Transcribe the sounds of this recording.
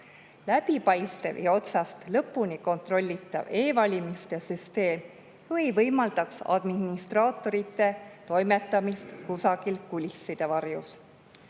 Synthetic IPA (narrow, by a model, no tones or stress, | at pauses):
læbipɑjst̪e̞̰vḭo̞t̪sɑst̪lɤpːuniko̞nt̪ro̞lʲːit̪ːˑɑ̰ve̞ːvɑlʲimist̪e̞syst̪e̞ːm | vɤjvɤjmɑld̪ɑksɑ̰d̪̥minist̪rɑːt̪ːˑo̞ɾit̪ˑːe̞t̪o̞jmet̪ːˑɑmist̪kusɑɡ̥ilkulʲisːid̪̥evɑrjus